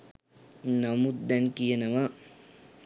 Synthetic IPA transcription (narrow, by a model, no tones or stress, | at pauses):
nɐmut̪̚d̪ɐnkijɐnɐʋɐ